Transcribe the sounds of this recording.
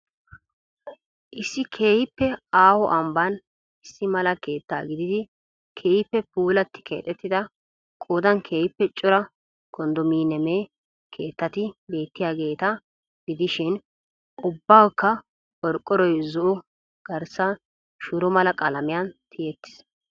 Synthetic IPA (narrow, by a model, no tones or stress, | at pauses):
ʔɪsːɪkʰe̞ːhɪpːɛaːhɔʔɐmbɐn | ɪsːɪmɐlɐke̞ːt̪ːa̰ːɡɪd̪ɪd̪ɪ | kʰeːjɪpːɛpuːlɐt̪ːɪ̥kʰḛːt̪ʼɛt̪ːɪd̪ɐ | kʼoːd̪ɐŋkʰe̞ːjɪpːɛt͡ʃʼːʊɾɐ | kɔnd̪ɔmiːnɛmeː | kʰe̞ːt̪ːɐt̪ɪbe̞ːt̪ːɪjaːɡe̞ːt̪ɐ | ɡɪd̪ɪʃɪn | ʔʊbːaːwkːɐ | ɔɾkʼːɔɾɔjzʊʔɔ | ɡ̥ɐɾsɐ | ʃʊɾɔmɐlɐkʼɐlɐmɪjɐnt̪ʰɪjɛt̪ːɪ̥s